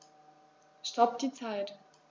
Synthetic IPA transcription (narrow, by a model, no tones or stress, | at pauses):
ʃtɔp̚d̥iːt͡saɪt